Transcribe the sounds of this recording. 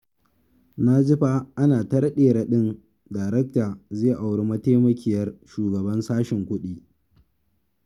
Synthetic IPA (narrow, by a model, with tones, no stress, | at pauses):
na˦d͡ʒɪ˦ɸa˦ʔa˦naː˨tɐ˦ɾɐ˦ɗeː˨ɾa˨ɗɪ˦n | daː˨ɾɛ˦k̚taː˨ze˦˨ʔa˨wɽe˦mɐ˦ta˦jmɐ˦kʲɪ˦jɐ˦rʃuː˨ɡɐ˨bɐ˦nsaː˦ʃɪ˨ŋkʷʊ˦ɗiː˦